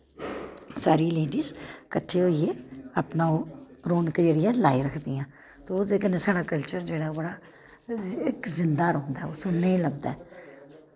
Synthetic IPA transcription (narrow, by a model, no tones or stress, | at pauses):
saːɾiːleːɖiːzkəʈʰːeːɦoːieːəpnaːoɾoːnkd͡ʒeːɽɪjãːlaːiɾəkʰd̪ɪjãː | t̪oːod̪eːkəneːsaːɽaːkəlt͡ʃəɾd͡ʒeːɽaːbəɽaː | ɪkzɪnd̪aːɾõːnd̪aːoːsʊnnːeiləbd̪a̰ːɛː